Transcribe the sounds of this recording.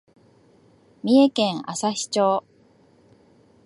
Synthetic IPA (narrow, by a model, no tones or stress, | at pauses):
mʲie̞kẽ̞ɰ̃asaçi̥t͡ɕo̞ː